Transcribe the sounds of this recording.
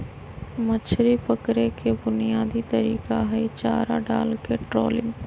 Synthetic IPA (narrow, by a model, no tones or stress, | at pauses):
mət͡ʃʰɾipəkɾekʰebʊnijaːd̪it̪əɾiːkaɦɛit͡ʃaːɾa̰ɖa̰ːlkeʈɾo̰ːlɪ̰̃ŋ